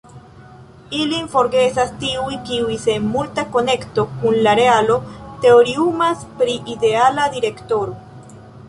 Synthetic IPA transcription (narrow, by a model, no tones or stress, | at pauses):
ilinfo̞ɾɡe̞sastiujkiujse̞nmultako̞ne̞kto̞kunlaɾe̞alo̞te̞oɾiumaspɾiʔide̞aladiɾe̞kto̞ɾo̞